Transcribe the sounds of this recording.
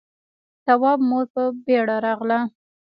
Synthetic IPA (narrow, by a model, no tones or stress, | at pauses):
t̪awɑbmoɾpəbeɽaɾɑʁla